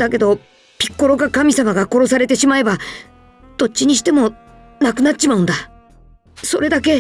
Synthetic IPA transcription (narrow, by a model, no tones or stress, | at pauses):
d̪̥ake̞d̪o̞ | pʲi̥kːo̞ɾo̞ɡakamʲisamaɡako̞ɾo̞s̬aɾe̞t̪e̞ɕimae̞ba | d̪̥o̞t̚t͡ɕːiɲ̟iɕi̥t̪e̞mo̞ | nakɯ̟natːi̥ɕimaɯ̟̃nd̪a | so̞ɾe̞d̪ake̞